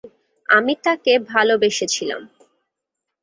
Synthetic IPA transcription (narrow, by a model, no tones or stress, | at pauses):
a̰mit̪akebʱalobeʃet͡ɕʰila̰m